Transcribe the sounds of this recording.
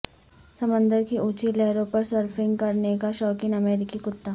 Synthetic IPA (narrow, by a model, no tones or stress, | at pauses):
sɐmə̃nd̪əɾkiʔuːt͡ʃilɛɦɾõpɐɾsəɾfɪ̃ŋɡkɐɾnekaʃɔːkɪ̃ŋɐmeːɾɪkikʊt̪ːaː